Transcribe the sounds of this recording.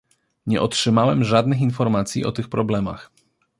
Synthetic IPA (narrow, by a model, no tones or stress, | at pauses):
ɲɛ̰ʔɔtʂɘmawɛmʐad̪nɘxinfɔɾmat̪sʲjḭʔɔt̪ɘxpɾɔblɛma̰x